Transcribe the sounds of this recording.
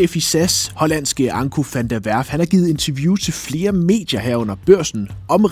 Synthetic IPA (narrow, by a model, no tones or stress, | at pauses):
efisæshɒ̽læn̰sɡ̥əʔɑ̈ŋkʰufænd̥æʋæɐ̰fhænhɑ̈ɡ̥iːð̩ˠe̝nt͡sʰɐʋjuːt͡sʰe̝lfle̝ːɐme̝̰ːd̥jɐɦæɐ̰ɔ̽n̰ɐb̥ɶɐ̰sn̩ɒ̽mʁ